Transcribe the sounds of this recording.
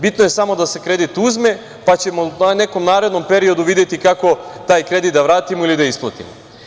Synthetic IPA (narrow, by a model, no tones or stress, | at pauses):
bit̪noje̞samo̞d̪ase̞kɾe̞d̪it̪uzme̞ | pat͡ɕe̞mone̞ko̞mnaːɾe̞d̪no̞mpe̞ɾio̞d̪uʋid̪jet̪ikako̞t̪aːjkɾe̞d̪it̪d̪aʋɾaːt̪imoilid̪aisplˠat̪ḭmo